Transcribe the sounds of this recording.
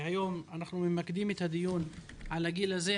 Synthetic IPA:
hajo̞manaχnumimakd̪imet̪had̪ijun | ʕalaɡilaze

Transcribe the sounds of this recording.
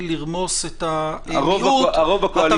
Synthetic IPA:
liʁmo̞set̪aʁovauaʁovakoal

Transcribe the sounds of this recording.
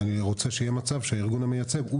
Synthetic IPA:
niʁo̞t͡se̞ʃejemat͡savʃeaiʁɡunamejat͡se̞ɡu

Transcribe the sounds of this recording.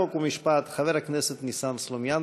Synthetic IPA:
okumiʃpaːt̪xavɛɾaknɛsət̪nisamslˠomjan

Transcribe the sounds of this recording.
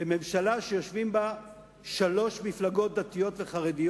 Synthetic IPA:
beme̞mʃalaʃejo̞ʃvimba | ʃalo̞ʃmiflaɡo̞t̪̚d̪at̪ijo̞tve̞χaʁedij

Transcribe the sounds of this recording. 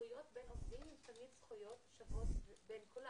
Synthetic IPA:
ujot̪benovd̪imimt̪ɐmid̪sχujot̪ʃavotbenkola

